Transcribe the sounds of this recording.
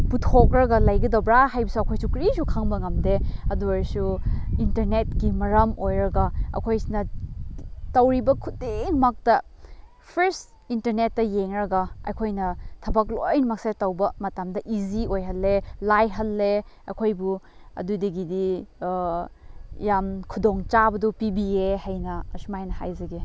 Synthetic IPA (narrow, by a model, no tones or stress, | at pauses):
putʰok̚ɾɐɡɐlɐjɡɐdɐwbɾaɦajbɐsuɐkʰojsukɾisukʰaŋbɐŋɐmdeɐduɐɾsuintɐɾnet̚kimɐɾɐmojɾɐɡɐɐ̰kʰojsinɐ | tɐwɾibɐkʰudeŋmak̚tɐ | pʰeɾst | intɐɾnet̚ːɐjeŋɾɐɡɐɐ̰jkʰojnɐtʰɐbɐklojnɐmak̚setɐwbɐmɐtamdɐʔiziojɦɐlːelajɦɐlːe | ɐ̰kʰojbu | ɐ̰dudɐɡidi | jamkʰudoŋt͡ʃabɐdupibiehajnɐɐsumajnɐha̰jzɐɡe